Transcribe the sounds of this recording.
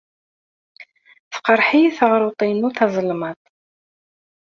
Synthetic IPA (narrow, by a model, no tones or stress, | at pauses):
θə̥qəɾˤħiθəʁɾˤʊt̪ˤinuθɑzˤəlmət̪ˤ